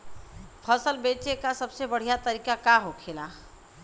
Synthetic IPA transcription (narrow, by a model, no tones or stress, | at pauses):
pʰəsəlbet͡ʃekasəbsebəɽ̤ijat̪əɾikakaɦokʰela